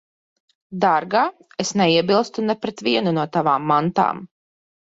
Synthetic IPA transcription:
d̪aɾɡaː | esnɛiɛbilˠst̪unɛpɾɛt̪vʲiɛnunuɔt̪avaːmːant̪a̰ːm

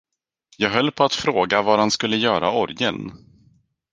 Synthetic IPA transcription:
jɑːɡɦœlːpʰɔat̪fɾoːɡavaɾhanskɵlːəjœːɾaɔɾjən

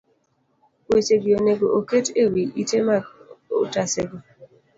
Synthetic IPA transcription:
wet͡ʃeɡioneɡoʔoketewiitemako̰taseɡo

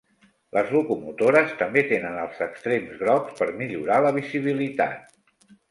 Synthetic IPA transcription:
ləzlukumut̪oɾəst̪əmbet̪enənəlˠzəkst̪ɾemzɣɾɔpspəɾmiʎuɾaləβ̞iziβ̞ilit̪a̰t̪̚

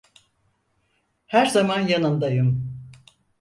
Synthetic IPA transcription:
hæɾzamanjanɯnd̪ajɯm

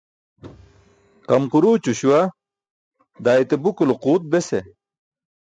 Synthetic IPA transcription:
qɐmquɾuːt͡ɕuɕuwa | d̪aːit̪ebukuloquːt̪̚bese

